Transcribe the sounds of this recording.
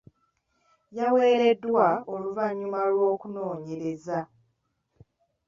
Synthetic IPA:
jawe̞ːɾe̞dːwao̞luvaɲːumalwo̞ːkuno̞ːɲe̞ɾe̞za

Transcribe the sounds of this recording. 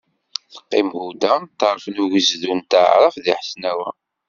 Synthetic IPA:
θə̥qːimhud̪æt̪əɾˤfnuʝəzðunt̪ʕɾˤɑfðiħəsnæwæ

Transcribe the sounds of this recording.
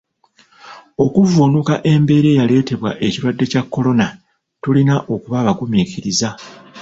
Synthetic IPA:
o̞kuvunukaʔe̞mbe̞ːɾe̞ːjale̞ːte̞βwa̰ʔe̞ciɾwadːe̞cakːo̞lo̞na | tulinaʔo̞kuβaːβaɡumiːciɾiza

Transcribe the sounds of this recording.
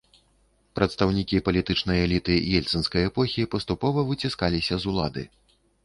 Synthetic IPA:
pɾʔɐt̪st̪ɐwnʲikʲipɐlʲit̪ɨt͡ʂnɐjɛlʲit̪ɨjɛlʲt̪sɨnskɐjɛpɔxʲipɐst̪upɔvɐvɨt͡sʲiskalʲisʲɐzulˠa̰d̪ɨ̰

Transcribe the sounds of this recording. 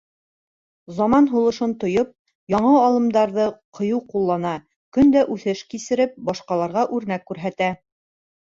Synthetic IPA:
zɑmɑnɦulˠɤ̆ʃɤnt̪ŏjɤp̚ | jɑɴɑɑlˠɤ̆md̪ɑɾðɤqʰɤ̆jɤwqulˠːɑnɑ | kɵnd̪æʔʉθɘʃkisɘ̆ɾɘp̚bɑʃqɑlˠɑɾʁɑʔʉɾnækːʉɾɦæt̪æ

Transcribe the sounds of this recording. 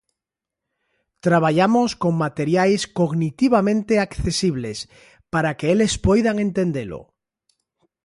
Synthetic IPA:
t̪ɾaβ̞aʎamoskoŋmat̪eɾjajskoɣnit̪iβ̞amẽnt̪eakθesiβ̞les | paɾakeelespojðaŋẽnt̪end̪elo̰

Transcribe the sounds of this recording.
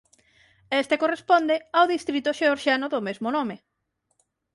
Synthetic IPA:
est̪ekorespond̪eawðist̪ɾit̪ʊʃeoɾʃanʊðʊmezmʊnome

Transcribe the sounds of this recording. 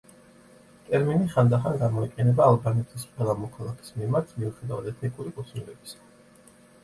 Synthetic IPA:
t̪ʼɛɾminiχand̪aχanɡamɔiqʼɛnɛbaːlˠbanɛt̪ʰisqʼwɛlˠamɔkʰalˠakʰi̥smimaɾt̪ʰmiuχɛd̪avad̪ɛt̪ʰnikʼuɾikʼut̪ʰnilɛbi̥sḁ

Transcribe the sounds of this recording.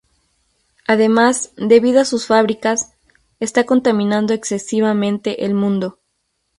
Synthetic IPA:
aðe̞mazd̪e̞βiðoasusfaβɾikas | est̪ako̞nt̪amĩnãnd̪o̞ekse̞siβamẽ̞nt̪e̞ʔelmũnd̪o̞

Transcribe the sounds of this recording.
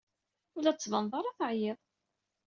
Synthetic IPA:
ʊlæt͡sːvənðˤɑɾˤɑθəʕjɪðˤ

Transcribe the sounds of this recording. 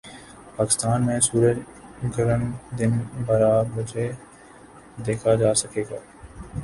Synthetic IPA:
paːkɪst̪aːnmẽːsuːɾəd͡ʒ | ɡʱəɾənd̪ɪnbaːɾaːbəd͡ʒe | d̪eːkʰad͡ʒaːsəkeːɡaː

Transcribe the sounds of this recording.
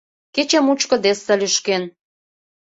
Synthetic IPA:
ket͡ɕemut͡ɕkə̆d̪est̪əlyʃken

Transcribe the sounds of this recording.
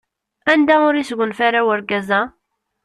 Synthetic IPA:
ænd̪æʊɾisəɡʷənfæɾæwəɾɡæzæ

